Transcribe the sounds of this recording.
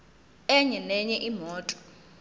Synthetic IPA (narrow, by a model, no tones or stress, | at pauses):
ɛɲɛnɛɲɛʔimɔːtʼɔ̥